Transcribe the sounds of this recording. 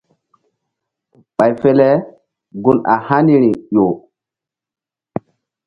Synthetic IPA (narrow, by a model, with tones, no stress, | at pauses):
ɓa˨jfɛ˦lɛ˦ | ɡu˨na˨ha˦ni˦ɾi˨jo˨